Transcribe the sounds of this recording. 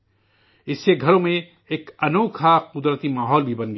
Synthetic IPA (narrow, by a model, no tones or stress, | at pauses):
ɪsːeɡʱɐɾõmẽ | eːkɐnoːkʰaqʊd̪ɾət̪imaːɦɔːlbʱibɐnɡ